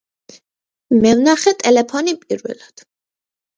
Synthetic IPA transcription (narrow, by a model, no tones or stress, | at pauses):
mɛvnaχɛt̪ʼɛlɛpʰɔnipʼḭɾvɛ̰lad̪̥